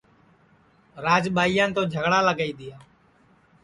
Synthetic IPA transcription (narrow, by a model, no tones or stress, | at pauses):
ɾaːd͡ʒɓaːijãːnt̪oːd͡ʒʱəɡɽaːləɡaːiːd̪ɪjaː